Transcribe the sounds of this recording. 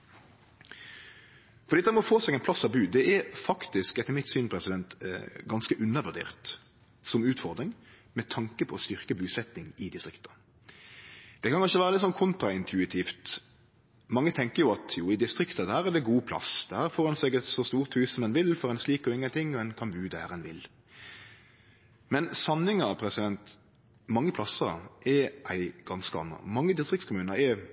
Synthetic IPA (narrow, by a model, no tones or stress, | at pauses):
fɔʁd̪iːd̪ɛmɔfoːsɛɡɛɪnpʰlɑsːɑʋbʉːd̪ɛʔɛfɑkt̪ɪskɛt̪ːəɾmɪt̪syːnpʰʁɛsɪd̪ɛnt̪ɡɑnskəʔʉnːəʋʉʁd̪ḛːʁt̪ | sɔmʉːt̪fɔʁd̪ɾɪŋ | mɛt̪ʰɑŋkəpʰɔɔst̪ʏʁkəbʉːsɛt̪nɪŋɪd̪ɪst̪ʁɪkt̪ɑ̥ | d̪̥ɛkʰɑnkɑnʃəʋæːʁəlɪt̪ːsɔnkʰʊnt̪ʁɑɪnt̪ʰʉɪt̪ʰiːft̪ | mɑŋːət̪ʰɛŋkəɾjʊɑt̪ʰjuːɪd̪ɪst̪ʁɪkt̪ɑd̪hæːɾɛd̪ɛɡuːpʰlɑ̰sd̪̥ɛhæːɾfoːʁɑnsɛɡɛt̪sɔst̪uːʁt̪hʉːssɔmɛnʋɪlfɔɾɛɪnsliːkɔɪŋːənt̪ʰɪŋːɔɛnkʰɑnbʉːd̪əæɾɛnʋɪl | mɛnsɑnːɪŋəpʰɾɛsɪd̪ɛnt̪ | mɑŋːəpʰlɑsəɾʔɛʔæɪɡ̥ɑnskəɑ̰nːə̰mɑŋːəd̪ɪst̪ʁɪk̚tskʰʊmʉːnəɾɛ